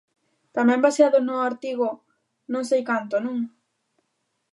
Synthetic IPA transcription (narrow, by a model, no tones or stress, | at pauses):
t̪amɛ̃mbasiaðʊznʊaɾt̪iɣʊ | nõŋsejkant̪onũŋ